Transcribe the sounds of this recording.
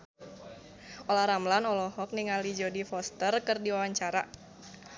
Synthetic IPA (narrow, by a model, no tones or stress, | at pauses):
ʔolahɾamlanɔlɔhɔk̚niŋalid͡ʒɔdifɔst̪ərkɨrdiwawaɲt͡ʃaɾa̰